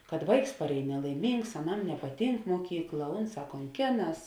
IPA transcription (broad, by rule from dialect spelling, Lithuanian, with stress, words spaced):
kɐt ˈʋɐɪks pɐrʲˈɛːj nʲɛlˠɐɪˈmʲiːŋks ɐˈnɐm nʲɛpɐˈtʲiːŋk muɔˈkʲiːklˠɐ ˈʊnˌsɑː koːŋʲˈkʲeːˌnɐs